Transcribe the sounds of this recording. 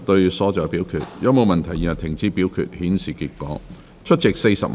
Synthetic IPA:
t̪ɵ˧ɥsɔː˨˥t͡sɔː˨˧jpiː˨˥wkʰyː˨t̚jɐ˨˧˥mo˨wmɐ˨nt̪ʰɐ˨˩jiː˨nɐ˨˩t̪ʰɪ˨˩ŋt͡siː˧piː˨˥wkʰy̰˨t̚hiː˨˥nsiː˨kiː˧t̚kɔ̰ː˨˥ | t͡ʃʰɵ˥t̚t͡sɪ˨k̚se˧jsɐ̰˨p̚

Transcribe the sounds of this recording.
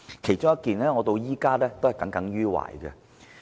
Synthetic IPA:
kʰe˨˩jt͡ʃʊ˥ŋjɐ˥t̚kiː˨nlɛː˥ŋɔː˨˧t̪o˧wjiː˥kaː˥lɛː˥t̪o˥hɐ˨jkɐ˨˥ŋkɐ˨˥ŋɥyː˥wa̰ː˨˩jɡɛ̰˧

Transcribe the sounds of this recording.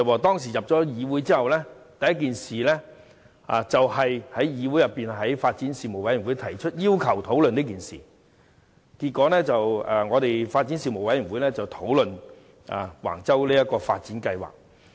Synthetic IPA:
waː˨˧t̪ɔː˥ŋsiː˨˩jɐ˨p̚t͡ʃɔː˨˥jiː˨˧wuː˨˥jt͡siː˥hɐ˨wlɛː˥t̪ɐ˨jɐ˥tk̬iː˨nsiː˨lɛ˥ | a̰ː˧t͡sɐ˨whɐ˨jhɐ˨˥jjiː˨˧wu˨˥jɐ˨pːiː˨nɦɐ˨˥jfaː˧t̚t͡siː˨˥nsiː˨mo˨˩wɐ˦jwu˨˥jt̪ʰɐ˨˩jt͡ʃʰɵ˥t̚jiː˥wkʰɐ˨˩wt̪ʰo˨˥wlɵ˨niː˥k̬iː˨nsḭː˨˩ | ki˧t̚kɔː˨˥lɛː˥t͡sɐ˨wɛ˨ŋɔː˨˧t̪e˨jfaː˧t̚t͡si˨˦˥nsiː˨mo˨˩wɐ˨˥ji˨˩nwu˨˥jlɛː˥t͡sɐ˨wt̪ʰo˨˥wlɵ˨n | ʔa̰˨wa̰ː˨˩ŋt͡sɐ˥wliː˥jɐ˥t̚kɔː˧fa̰ː˧t̚t͡siː˨˥nkɐ˧jwa̰ː˨˩k̚

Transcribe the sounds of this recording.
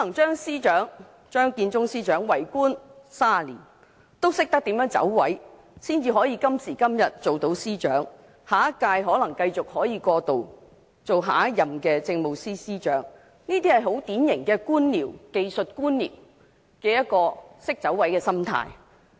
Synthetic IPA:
ɔ˦lɐ˨˩ŋt͡ʃœː˥ŋsiː˥t͡ʃœː˨˥ŋ | t͡ʃœː˥ŋkiː˧nt͡sʊ˥ŋsiː˥t͡ʃœː˨˥ŋwɐ˨˩jkuː˥nsaː˥˨lḭː˨˩n | t̪o˥wsɪ˥k̚t̪ɐ˥k̚t̪i˨˥mjœː˨˥ŋt͡sɐ̰˨˥wwɐ˨˥j | siː˥nt͡siː˧ɦɔː˨˥jiː˧kɐ˥msiː˨˩kɐ˥mjɐ˨˩t̚t͡so˨wt̪o˨˥wsiː˥t͡ʃœ̰ː˨˥ŋ | haː˨˥kːaː˧jɦɔː˨˥lɐ˨˩ŋkɐ˧jt͡sʊ˨k̚hɔː˨˥jiː˨˧kɔː˧t̪o˨w | t͡so˨wɦa̰ː˨˥jɐ˨mkɛː˧t͡sɪ˧ŋmo˨wsiː˥siː˥t͡ʃœː˨˥ŋ | niː˥t̪iː˥hɐ˨jɦo˨˥wt̪iː˨˥njɪ˨˩ŋkɛː˧kuː˥nliː˨˩wke˧jsɵ˨t̚kuː˥nlḭː˨˩w | kɛː˧jɐ˥t̚kːɔː˧sɪ˥k̚t͡sɐ˨˧˥wwɐ˨˥jkɛː˧sɐ˥mt̪ʰa̰ː˧j

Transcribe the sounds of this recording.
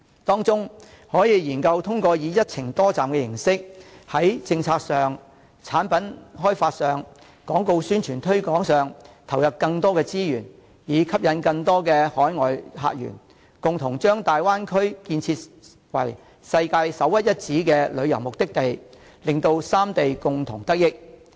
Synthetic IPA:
t̪ɔː˥ŋt͡sʊ˥ŋ | hɔː˨˥jiː˨˧jiː˨˩nkɐ˧wt̪ʰʊ˥ŋkɔː˧jiː˨˧jɐ˥t̚t͡sʰɪ˨˩ŋt̪ɔː˥t͡saː˨mkɛ˧jɪ˨˩ŋsɪ˥k̚hɐ˨˥jt͡sɪ˧ŋt͡sʰaː˧k̚sœː˨ŋ | t͡sʰaː˨˥npɐ˨˥nɦɔː˥jfaː˧t̚sœː˨ŋ | kɔː˨˥ŋko˧wsyː˥nt͡ʃʰyː˨˩nt̪ʰɵ˥ɥkɔː˨˥ŋsœː˨ŋt̪ʰɐ˨˩wjɐ˨p̚kɐ˧ŋt̪ɔː˥kɛː˧t͡siː˥jyː˨˩n | jiː˨˧kʰɐ˥p̚jɐ˨˧nkɐ˧ŋt̪ɔː˥kɛː˧hɔː˨˥jŋɔː˨jɦa̰ː˧t̚jy̰ː˨˩n | kʊ˨ŋt̪ʰʊ˨˩ŋt͡ʃœː˥ŋt̪aː˨jwaː˥nkʰɵ˥ɥkiː˧nt͡sʰiː˧t̚ | wɐ̰˨˩j | sɐ˧jkaː˧jsɐ˨˥wjɐ˥t̚jɐ˥t̚t͡siː˨˥kɛː˧lɵ˨˧ɥjɐ˨˩wmʊ˨k̚t̪ɪ˥k̚t̪e˨j | lɪ˨ŋt̪o˧wsaː˥mt̪e˨jkʊ˨ŋt̪ʰʊ˨˩ŋt̪ɐ˥k̚jɪ˥k̚

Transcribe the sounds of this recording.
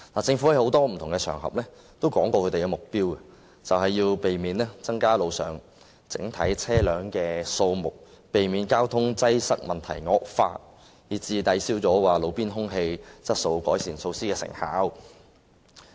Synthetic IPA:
laː˨˩t͡sɪ˧ŋfu˨˥hɐ˨˧jho˨˥wt̪ɔː˥m̩˨˩t̪ʰʊ˨˩ŋkɛ˧t͡ʃʰœː˨˩ŋhɐ̰˨p̚lɛː˥ | t̪o˥wkɔː˨˥ŋkwɔː˧kʰɵ˨˧te˨˩kɛ˧mʊ˨k̚piː˥wkɛ˧ | t͡sɐ˨whɐ˨jːiː˧wpe˨jmiː˨˥nlɛː˥t͡sɐ˥ŋkaː˥lo˨˧wsœː˨˩ŋ | t͡sɪ˨˥ŋt̪ʰɐ˨˥jt͡sʰɛː˥lœː˨˧ŋkɛː˧so˧wmʊ˨k̚ | pe˨˩jmiː˨˧˥nkaː˥wt̪ʰʊ˥ŋt͡sɐ˥jsɐ˥k̚mɐ˨nt̪ʰɐ˨˩jŋɔː˧k̚fa̰ː˧t̚ | jiː˨˩t͡siː˧t̪ɐ˨˥jsiː˥wt͡sɔː˨˥waː˨lo˨˧wpiː˥nɦʊ˥ŋɦe˧jt͡sɐ˥t̚so˧wkɔː˨˥jsʰiː˨˩nso˧wsiː˥kɛː˧sɪ̰˨˩ŋha̰ː˨˥w

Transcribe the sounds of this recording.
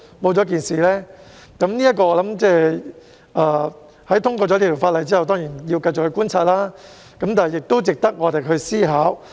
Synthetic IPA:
mo˨˧wt͡sɔ˨˥k̬iː˨˩nsiː˨lɛː˥ | kɐ˨˦˥mniː˥jɐ˥t̚kɔː˧ɔː˧lɐ˨˦˥mt͡sɛː˥˧ | ʔaː˨˧ | hɐ˨˥jt̪ʰʊ˥ŋkɔː˧ɔː˨˧˥liː˥t̪ʰi˨˩faː˧t̚lɐ˨˩jt͡siː˥hɐ˨wt̪ɔː˥ŋjiː˨˩nji˧wkɐ˧jt͡ɕʊ˨k̚hɵ˧˥kuː˥nt͡sʰaː˧t̚laː˥ | kɐ˨˥mt̪aː˨hɐ˨jːɪ˨k̚t̪o˥wt͡sɪ˨k̚t̪ɐ˥k̚ŋɔː˨˧t̪e˨jkʰɵ˧ɥsiː˥ɦaː˨˥w

